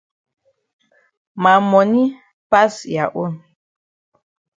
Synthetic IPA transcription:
ma˨mɔ˨ni˦ | pa˦sja˨ʔo˦˨n

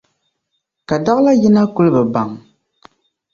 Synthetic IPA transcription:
ka˨da˦la˦ji˦na˦ku˦lɨ˦bɛ˨ba˨ŋ

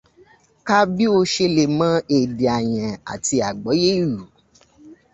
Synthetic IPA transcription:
ka˦bi˦o˧ʃe˧le˧˨mã˨˦e˨di˨a˨j̃ɛ̃˨a̰˨ti˧a˨ɡ͡bɔ˨˦je˦i˦˨ɾu˨

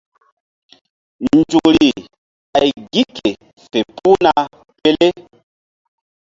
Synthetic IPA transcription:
n˨d͡ʒu˨ɾi˨ | a˨jɡi˦ke˨ | fe˨pu˦na˦ | pe˦le˦

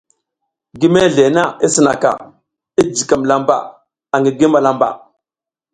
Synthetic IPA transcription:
ɡi˦me˦ɮe˨na˦i˦si˦na̰˨ka̰˨ | i˦d͡ʒi˨ka˨mla˦mba̰˨ | a˨ŋɡi˨ɡi˦ma˨la˦mba̰˨

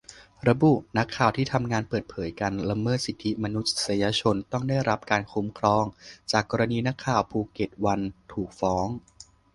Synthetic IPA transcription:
ɾa˧bu˨˩ʔna˦˥kʰːaː˨˩wt̪ʰiː˥˩t̪ʰa˧mŋaː˧npɤː˨˩t̪̚pʰɤː˩˦jka˧nɾa˧mɤː˥˩t̪̚si˨˩t̪ʰːi˦˥ma˧nu˦˥t̪̚sa˧jaː˧t͡ɕʰo˧nt̪ɔ˥˩ŋdaː˥˩jɾa˦˥p̚kaː˧nkʰu˦˥mkʰɾɔː˧ŋt͡ɕaː˨˩kːɔː˧ɾa˧niː˧na˦˥kʰːaː˨˩wpʰuː˧˩ke˨˩t̪̚wa˧nt̪ʰuː˨˩k̚fɔː˦˥ŋ

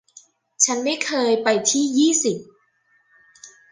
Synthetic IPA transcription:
t͡ɕʰa˦˥nːa˥˩jkʰɤː˧jpa˧jt̪ʰiː˥˩jiː˥˩si˨˩p̚

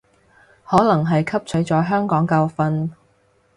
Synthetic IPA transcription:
hɔː˨˥lɐ˨˩ŋɦɐ˨jkʰɐ˥p̚t͡ʃʰɵ˨˥ɥt͡sɔː˨˥jɦœː˥ŋkɔː˨˥ŋkɐ˧wfɐ˧n

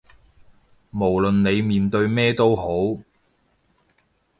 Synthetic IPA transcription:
mo˨˩wlɵ˨nne˨˧jmiː˨nt̪ɵ˧ɥmɛː˥t̪o˥wɦo˨˥w

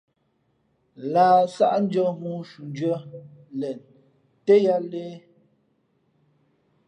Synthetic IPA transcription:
laː˨sa˦ʔn̩˦d͡ʒɔ˦mu˦ʃu˨n˦dɥə˦lɛ˨n | te˦ja˦leː˦

